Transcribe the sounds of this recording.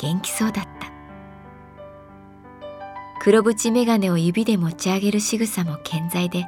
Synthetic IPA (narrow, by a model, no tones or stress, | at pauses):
ɡ̥ẽ̞ŋkʲi̥so̞ːd̪at̪ːḁ | kɯ̟ɾo̞bɯ̟t͡ɕime̞ɡane̞o̞jɯ̟bʲid̪e̞mo̞t͡ɕiaɡe̞ɾɯ̟ɕiɡɯ̟samo̞kʰẽ̞nd͡zaid̪e̞